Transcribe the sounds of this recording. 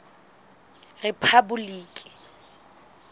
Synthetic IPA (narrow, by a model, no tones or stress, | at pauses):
repʰabuliːkʼɪ̥